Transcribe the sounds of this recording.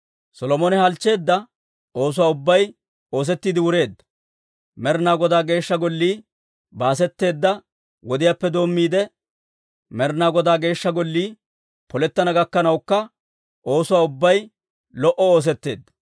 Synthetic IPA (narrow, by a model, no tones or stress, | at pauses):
sɔlɔmɔnɛhɐlt͡ʃːe̞ːd̪ːɐ | o̞ːs̬ʊwaːʊbːɐj | o̞ːs̬ɛt̪ːiːd̪ɪwʊɾe̞ːd̪ːɐ̥ | mɛɾnaːɡɔd̪aːɡe̞ːʃːɐɡɔlːiː | baːs̬ɛt̪ːe̞ːd̪ːɐ | wɔd̪ɪjaːpːɛd̪o̞ːmːiːd̪ɛ | mɛɾnaːɡɔd̪aːɡe̞ːʃːɐɡɔlːiː | pɔlɛt̪ːɐnɐɡɐkːɐnɐwkːɐ | ʔo̞ːsʊwaːʊbːɐj | lɔʔɔo̞ːs̬ɛt̪ːe̞̰ːd̪ːɐ̥